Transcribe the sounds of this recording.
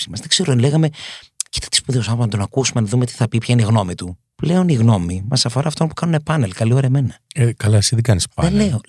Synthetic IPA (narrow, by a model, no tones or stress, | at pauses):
simɐsðekse̞ɾoðenle̞ɣɐme̞ | ci̥t̪ɐ̥t̪i̥spuðeosɐɐnt̪o̞nɐkusumenɐðumet̪i̥θɐpipçɐineiɣno̞mit̪u | ple̞o̞niɣno̞mimɐsɐfo̞ɾɐːft̪onpu̥kɐnune̞pɐnelkɐlio̞ɾɐɐme̞nɐekɐlɐsiðeɡɐnispɐ̰enne